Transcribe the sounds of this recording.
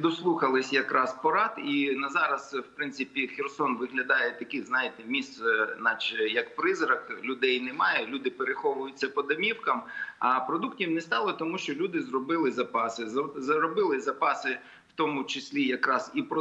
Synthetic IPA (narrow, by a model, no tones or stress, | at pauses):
d̪ɔslˠuxɐlˠɪsʲjɐkɾʔɑspɔɾɑt̪inɐzɑɾɐzwpɾɪnsɪpʲixʲɛrsɔnʋɪɦlʲɐd̪ɑjɛt̪ɐkʲiznɑjɪt̪ɛmʲist̪nɑt͡ʃjɐkpɾɪzɾɐklʲʊd̪ɛjnɛmɑjɛlʲud̪ɪpeɾɪxɔʋʊjʊt͡sʲːɐpɔd̪ɐmʲiwkɐmɐpɾɔd̪uktʲiwnɛst̪ɑlˠɔt̪ɔmuʃt͡ʃɔlʲud̪ɪzrɔbɪlˠɪzɐpɑsɪzzɐɾɔbɪlˠɪzɐpɑsɪ | wt̪ɔmʊt͡ʃɪsʲlʲijɐkɾɑzipɾɔ